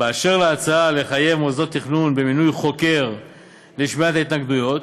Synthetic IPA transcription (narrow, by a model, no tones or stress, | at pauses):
beaʃeʁleat͡saaleχaje̞vmozo̞t̪ːiχnunbe̞minujχo̞ke̞ʁ | liʃmiat̪ait̪naɡd̪ujo̞t̪